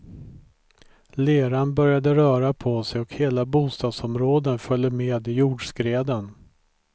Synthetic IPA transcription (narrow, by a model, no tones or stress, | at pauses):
leːɾanbœɾjad̪əɾœːɾapʰɔsɛjɔkheːlabuːst̪ɑːd̪sɔmɾoːd̪ənfœlːəmeːd̪ɪjuːɖʂkɾeːd̪ən